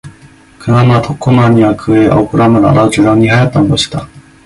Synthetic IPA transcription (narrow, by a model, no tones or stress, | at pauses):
kʰɯnamat̪ʰokʰːomaɲiβakʰɯea̰okɯɾamaɾa̰ɾaɯt͡ɕiɾaɲːihajat̪ːand̪oɕi̥t̪a